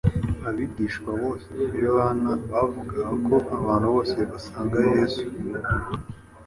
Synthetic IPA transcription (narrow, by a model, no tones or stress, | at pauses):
aβiɡiːʃkwawo̞ːseijoβanaβavuɡakʰo̞ʔaβaːn̤uβo̞ːseβasaːŋɡajeːzu̥